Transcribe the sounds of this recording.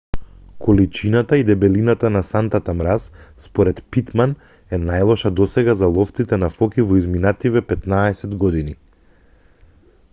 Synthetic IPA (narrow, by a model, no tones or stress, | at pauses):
kʰɔlit͡ʃinat̪aid̪ɛbɛlinat̪anasant̪at̪amɾasspɔɾɛt̪pit̪man | ɛnajlˠɔʃad̪ɔsɛɡazalˠɔft̪sit̪ɛnafɔkivɔizminat̪ivɛpɛt̪naɛsɛd̪ɡɔd̪ini